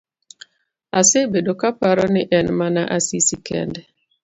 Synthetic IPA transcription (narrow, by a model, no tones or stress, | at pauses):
asɪbedokapaɾɔnɪʔɛnmanaʔasisikɛ̰ndɛ